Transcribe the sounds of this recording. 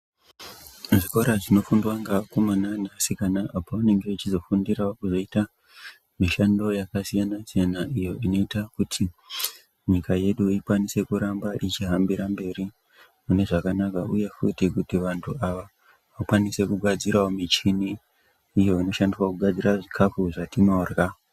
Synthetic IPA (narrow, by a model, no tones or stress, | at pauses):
ʐiko̞ɾaʐino̞fundwaŋɡakomananasikanaapoane̞ŋɡeʋat͡ʃizo̞fundiraokuʐo̞ita | miʃando̞jakasijanasijanaʔijo̞ʔino̞itakutʰi | ɲikaje̞ɗuikwanise̞kuɾambaʔit͡ʃiɦambiɾambe̞ɾi | mune̞ʐakanakauje̞fṵtikutiʋantʰuaʋa | ʋakwanise̞kuɡʱad͡ziɾaomit͡ʃiniː | jo̞ino̞ʃandiswakuɡʱad͡ziraʐikʰafuʐatino̞ːrɣa